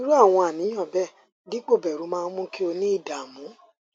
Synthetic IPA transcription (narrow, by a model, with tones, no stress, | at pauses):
i˦ɾu˦a˦˨w̃ɔ̃˧a˨nĩ˨˦j̃ɔ̃˦˨bɛ˦˨ | di˦k͡po˦˨bɛ˨ɾu˨˦mãː˦˧˦mũ˦ki˦o˧nĩ˦i˦˨da˨mũ˨˦